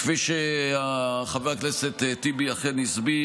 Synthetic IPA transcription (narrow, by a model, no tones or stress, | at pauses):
fiʃeaχaveakneset̪et̪ibiaχenisbi